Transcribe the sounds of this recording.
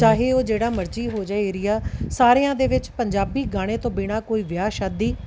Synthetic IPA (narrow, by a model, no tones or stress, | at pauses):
t͡ʃaːɦeːoːd͡ʒeːɽaːməɾd͡ʒiːɦoːd͡ʒaːiːɾɪjaːsaːɾejãːd̪eːʋɪt͡ʃpəɲd͡ʒaːbiːɡaːɽ̃eːt̪õːbɪɽ̃aːkoːiːʋɪjaːʃaːd̪iː